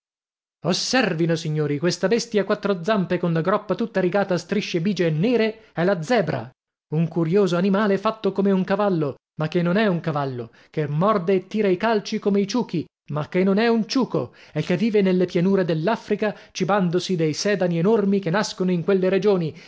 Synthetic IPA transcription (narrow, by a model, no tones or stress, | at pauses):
osːɛrvinosiɲːoːɾikwest̪abɛst̪jakwat̪ːɾod̪zːampekonlaɡɾɔpːat̪ut̪ːaɾiɡaːt̪ast̪ɾiʃːebiːd͡ʒeːnːɛːɾeɛlad̪zːɛːbɾa̰ | uŋkuɾjoːzoanimaːlefat̪ːokomeuŋkavalːo | makːenːonɛuŋkavalːo | kemːɔrd̪eːt̪ːiːɾaikalt͡ʃikomeit͡ʃuːki | makːenːonɛunt͡ʃuːko̰ekːevːiːvenelːepjanuːɾed̪elːafɾikat͡ʃiband̪osid̪ejsɛːd̪anienormikenːaskonoiŋkwelːeɾed͡ʒoːni